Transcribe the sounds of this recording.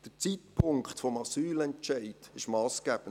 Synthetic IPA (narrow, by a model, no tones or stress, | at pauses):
d̪̥ət͡sitpʰʊŋktfɔmɑsyːlɛnt͡ʃɛɪd̥ɪʃmɑːsɡ̥æːb̥ən